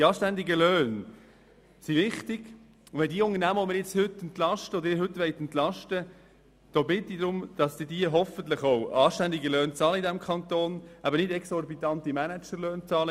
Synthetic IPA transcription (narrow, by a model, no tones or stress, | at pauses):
d̥iɑːʃtænd̪iɡəlœːn | siʋɪχt̪ɪɡ̥ | vɛd̪iːʊŋəɾnæːməɔmɪɾjɛt͡shʏtːɛnt̪lɑʃtəɔd̪əɪːɾɦɵt̪ʋɛɪt̪ɛnt̪lɑʃtə | d̥ɔbɪt̪id̪ɾʊmd̪̥ɑsd̥idiəɦɔfənt̪lɪχowɑːʃtænd̪iɡəløːnt͡sɑːləidæmkʰɑnt̪oːnʔæbənɪdɛksɔrbit̪ɑnt̪imænæt͡ʃəɾløːnt͡sɑːlə